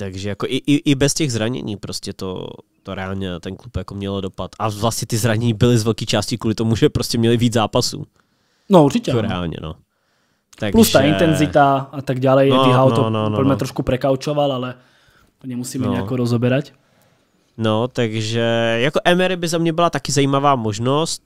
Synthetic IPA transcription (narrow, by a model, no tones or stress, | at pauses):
t̪aɡʒɛjakoʔɪʔɪʔɪbɛscɛɣzɾaɲɛ̰ɲiːpɾoscɛt̪o̰t̪oɾɛaːlɲɛt̪ɛnklupjakomɲɛlodopat̪ʔavlastɲɛt̪ɪzɾaɲɛɲiːbɪlɪzvɛlkiːt͡ʃaːscɪkuːlɪt̪omuʒɛpɾoscɛmɲɛlɪviːd͡zzaːpasṵː | nɔuɾt͡ʃicɛɾɛ̰a̰ːlɲɛ̰no̰ | t̪akɡplusʒt̪aːint̪ɛnzit̪aat̪aɡɟalɛjɛiɦawt̪ɔnonl̩mɛt̪ɾɔʃkupɾɛkawt͡ʃɔʋalalɛ | t̪oɲɛmusiːmnɛɲɛakɔɾɔzɔbɛɾac | not̪aɡʒɛjakoʔɛmɛɾɪbɪzamɲɛbɪlat̪akɪzajiːmavaːmoʒnost̪̚